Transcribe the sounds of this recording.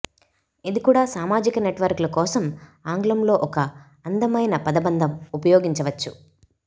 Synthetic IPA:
ɐd̪ikuːɽaːsaːmaːd͡ʒikɐneʈʋɐɾklɐkɔːsɐmaːŋɡlɐmlo̞ːʔɔkɐ | ɐnd̪ɐmɐjnɐpɐd̪ɐbɐnd̪ʱɐmupɐjɔːɡiɲt͡ʃɐʋɐt͡ʃːu

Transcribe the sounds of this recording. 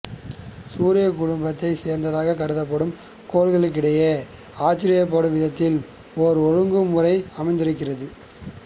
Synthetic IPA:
suːɾɪjɐkʊɽʊmbɐt̪ːɐɪseːɾnd̪ɐðaːɣɐkɐɾɯðɐpːɐɽɯm | koːlɣɐɭɯk̬ːɪɽɐjɐ | aːt͡ʃːɪɾɪjɐp̬ːaːɽɯʋɪðɐt̪ːɪl | ɔɾɔɻɯŋɡɯmʊrɐɪɐmɐɪnd̪ɪɾɯkːɪrɐðɯ

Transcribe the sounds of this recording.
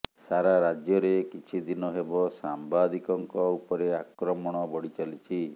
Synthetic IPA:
saɾaɾad͡ʒjɔɾekit͡ʃʰid̪inɔɦebɔsambad̪ʱikɔŋkɔupɔɾeakɾɔmɔɽ̃ɔbɔɽit͡ʃalit͡ʃʰi

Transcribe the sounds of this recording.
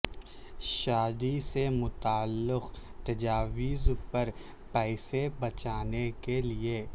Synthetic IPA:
ʃaːd̪isemʊt̪aːlːɪqt̪ɐd͡ʒaːʋiːzpɐɾ | pɛːsebɐt͡ʃaːnekelieː

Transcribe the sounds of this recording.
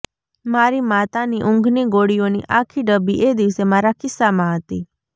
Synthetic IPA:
maːɾimaːt̪aniʔʊ̃ŋɡʱniɡoːɽijõnḭʔaːkʰiɖəbiʔeːd̪ɪʋsemaːɾakɪsːamãət̪iː

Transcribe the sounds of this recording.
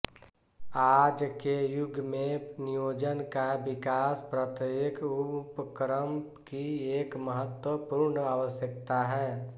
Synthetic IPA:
aːd͡ʒkejʊɡʱmẽnijoːd͡ʒənkabɪkaːspɾət̪ekʊpəkɾəmpkieːkməɦət̪wəpuɾɳaːʋəsjəkt̪aɦɛː

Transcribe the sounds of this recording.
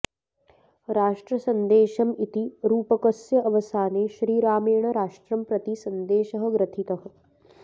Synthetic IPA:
ɾaːʂʈɾɐsɐnd̪eːʃɐmit̪iɾuːpɐkɐsjɐʔɐʋɐsaːneːʃɾiːɾaːmeːɳɐɾaːʂʈɾɐmpɾɐt̪isɐnd̪eːʃɐɦɐ̆ɡɾɐt̪ʰit̪ɐɦɐ̆

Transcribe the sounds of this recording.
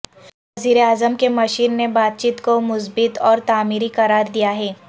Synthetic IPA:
ʋɐziːɾeaːzəmkemɐʃiːnːebaːt̪̚t͡ʃiːt̪komʊsbɪt̪ɔːɾt̪aːmiːɾikɐɾaːɾd̪ijaɦɛː

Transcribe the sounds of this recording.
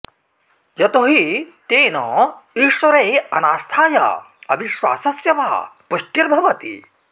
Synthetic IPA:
jɐt̪oɦit̪eːnɔ̰ːiːʃwɐɾeːɐnaːst̪ʰaːjɐ̰ | ɐbiʃʋa̰ːsɐsjɐʋa̰ːpuʃʈiɾbʱɐʋɐt̪ḭ

